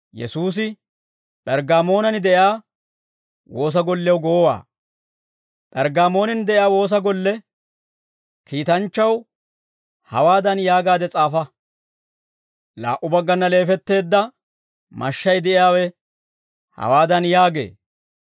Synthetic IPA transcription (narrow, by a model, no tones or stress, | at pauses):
jɛ̰suːs̬ɪ | pʼɛɾɡaːmo̞ːnɐnɪd̪ɛʔjaː | wo̞ːs̬ɐɡɔlːɛwɡɔwɔwa̰ː | pʼɛɾɡaːmo̞ːnɛnɪd̪ɛʔɪjaːwo̞ːs̬ɐɡɔlːɛ | kiːt̪ɐnt͡ʃːɐw | hɐ̰waːd̪ɐnjaːɡaːd̪ɛt͡sʼaːfɐ | la̰ːʔʊbɐɡːɐnːɐle̞ːfɛt̪ːe̞ːd̪ːɐ | mɐ̰ʃːɐjd̪ɛʔɪjaːwɛ | hɐ̰waːd̪ɐnjaːɡḛː